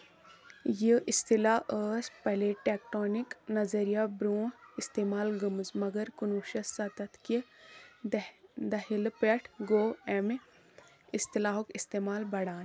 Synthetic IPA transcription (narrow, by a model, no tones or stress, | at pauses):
jeʔɪst̪ilaəːspɛɦleʈeːkʈoːniknɐzɐɾijabɾũːɪst̪eːmaːlɡumzmɐɡəɾkunuːʃɐsɐt̪ɐt̪ʰki | d̪ɐɦilpeʈʰɡoːem | ɪst̪ɪlaːɦokɪst̪eːmaːlbɐɽaːn